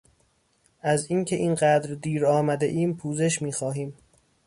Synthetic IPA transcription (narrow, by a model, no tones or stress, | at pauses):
ʔæziːncʰe̞ʔiːnɢæːd̪ɾd̪iːɾɒːmæd̪eʔiːmpʰuːze̞ʃmiːxɒːɦiːm